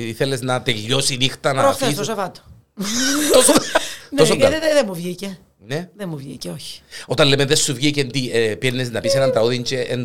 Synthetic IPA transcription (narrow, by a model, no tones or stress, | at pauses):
iθeleznɐt̪eʎːosinixt̪ɐnɐoθist̪osevɐt̪o̥ | t̪osnosoŋɡɐeðemːuvʝice | neðemːuvʝḭceoçi̥ot̪ɐnlemenðesːuvʝicend̪iepiɾneznɐpisenɐnt̪ɾɐuðint͡ʃeʔen